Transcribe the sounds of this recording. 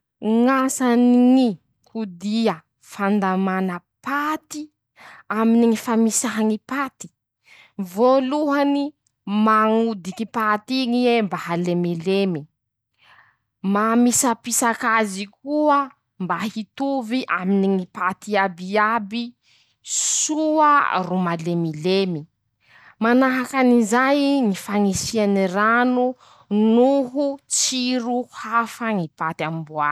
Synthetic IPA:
ŋasaniŋi | kud̪iə | fand̪amanə | pat̪i | aminiŋifamisaɦaŋipat̪i̥ | voluɦani | maŋud̪ikipat̪iŋiembaɦalemelemi | mamisəpisakazikuə | mbaɦit̪uviʔaminiŋipat̪iabiabi | suərumalemilemi | manaɦakanizajŋifaŋisianiranu | nuɦut͡siɾuhafaŋipat̪amimbua

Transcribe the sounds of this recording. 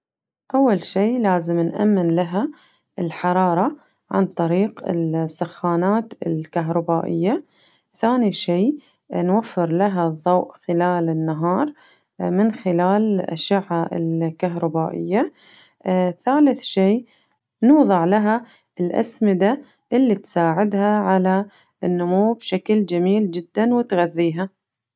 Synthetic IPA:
ʔawːalʃiːlaːzɪmnʔa̰mːɪnlaɦa | ɪlħɑɾˤɑːɾˤɑ | ʕa̰nt̪ˤɑɾiːqɪ̰lsaxːaːnaːt̪ɪ̰lkaɦɾˤɑbaːʔɪjːa | θaːniʃiː | nwafːɪɾlaɦaðˤːɑwʔxɪlaːlɪnːaɦɑːɾˤ | mɪnxɪlaːlʔa̰ʃaʕːaɪ̰lkaɦɾˤɑbaːʔɪ̰jːa | θaːlɪθʃiː | nuːðˤɑʕlaɦa | ɪlʔa̰smɪd̪a | ʔɪlːit̪saːʕɪd̪haʕala | ʔɪnːʊmuːbʃakld͡ʒamiːld͡ʒɪd̪ːanwɪt̪ɣaðːiːɦa

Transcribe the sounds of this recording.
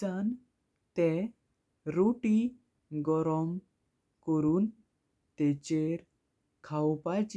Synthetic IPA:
an | t̪ɛ̃ | ɾoʈi | ɡɔɾɔm | kɔɾuːn | t̪ɛt͡ɕeɾ | kʰawpat͡ɕ

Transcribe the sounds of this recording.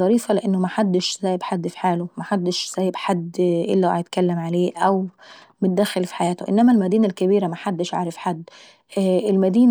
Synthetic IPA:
ɑɾiːfæleʔenːomæħad̪ːeʃzæːjebħad̪ːfi̥ħaːlomæħad̪ːeʃz̥æːjebħad̪ːʔḛlːæʕæjet̪kælːæmʕaleːʔæw | met̪̚d̪ːæxelfi̥ħajæːt̪oʔḛnːæmælmæd̪iːnælkæbiːɾæmæħad̪ːeʃʕa̰ːɾefħad̪ː | elmæd̪iːn

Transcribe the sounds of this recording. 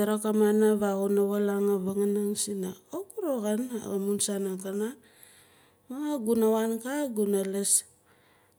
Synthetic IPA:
aɾokamanaβaɣunaβalaŋaβaŋanaŋsinaokuɾoɣan̰amunsanakana | maɡunawankaɡunales

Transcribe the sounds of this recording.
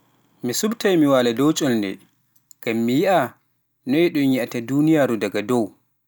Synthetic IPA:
misubtajmiwaːladɔwt͡ʃʼɔlndɛ̰ | ɡ̥amːijiʔa | nɔɛɗɔnjiʔataduːnijaːɾudaɡadɔw

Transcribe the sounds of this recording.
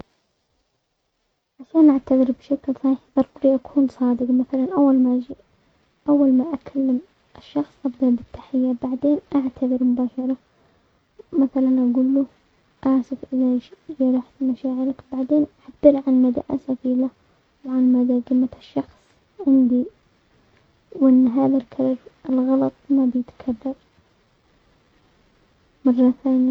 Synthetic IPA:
ʕaʃaːnʔaʕt̪aðˤɨɾbʃaklsˤiːħðˤɑɾˤbɾiʔakʰuːnsˤɑːd̪ɪɡmaθalanʔawːalmaʔ | ʔawːalmaʔakʰalːam | ʔɪʃːɑxsˤʔabd̪ɑɾˤbɪt̪ːḁħɪjːabaʕd̪eːnʔaʕt̪ʰaðɪɾmʊbaːʃɑɾˤɑ | maθalaanʔaɡuːlːu | ʔaʕsɪfʔɪðajɾˤɑħmaʃaːʕɪɾɪkbaʕd̪eːnʔħab̥ːɪɾʕanmad̪a̰ʔasafiːla | wʕanmad̪aɡɪmaʃːɑxsˤ | ʕɪnd̪i | wʔɪnːɦaːðalkʰaɾˤɾɪlɣɑlɑt̪ˤmabjɪt̪kʰarˤːɑɾˤ | mɑrˤːɑθaːnja

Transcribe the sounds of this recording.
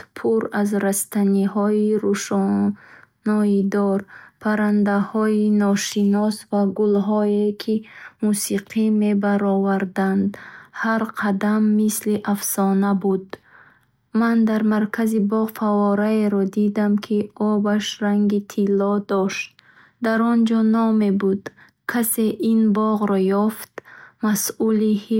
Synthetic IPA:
pʰuɾazɾast̪aniɦɔiɾuʃ | nɔid̪ɔɾpʰaɾand̪ahɔinɔʃinɔsvaɡulɦɔekʰimusiqʰime̞baɾɔvaɾd̪and̪haɾqʰad̪amːisliʔafsɔnabud̪ | mand̪aɾmaɾkʰazibɔʁfavɔɾaeɾɔd̪id̪amkʰiɔbaʃɾaŋɡit̪ʰilːɔd̪ɔʃt̪̚ | d̪aɾɔnd͡ʒɔnɔme̞bud̪ | kʰase̞ʔinbɔʁɾɔjɔft̪masulihi

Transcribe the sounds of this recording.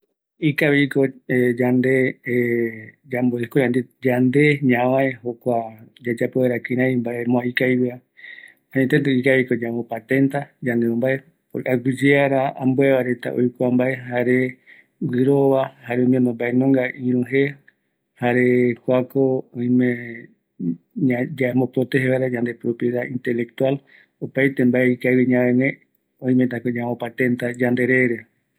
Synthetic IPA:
ikaβikoed͡ʒand̪e | d͡ʒamboekod͡ʒand̪ed͡ʒand̪e̞ɲãβãehokʷad͡ʒad͡ʒapeweɾakĩɾ̃ãĩmbaemõãikaiβea | hãɲẽt̪et̪ɨikaβikod͡ʒamopat̪ẽ̞nt̪ad͡ʒand̪eõmbae | ʔaɡʷid͡ʒeaɾaambueβaɾe̞t̪a̰ʔo̰jkʷambaeɦaɾe | ɡɨɾoβahaɾeõmjẽnõmbaenõŋɡaĩɾũɦe | haɾe̞kʷakoõĩmẽ | ad͡ʒamõpɾot̪eɦeβaɾad͡ʒãnd̪e̞pɾopje̞ðaʔĩnt̪e̞lek̚t̪ual | opajt̪embaeikaβiɲãβenẽ | õĩmet̪̬akod͡ʒamõpat̪ẽ̞nt̪ad͡ʒand̪e̞ɾe̞ɾe

